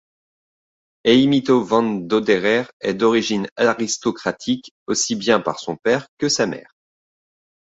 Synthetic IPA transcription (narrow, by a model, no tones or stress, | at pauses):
eimit̪ovɑ̃nd̪od̪eʁɛʁɛd̪ɔʁiʒinaʁist̪ɔkχat̪ʰik | osibjɛ̃pa̰ʁsɔ̃pɛʁkəsamɛ̰ːʁ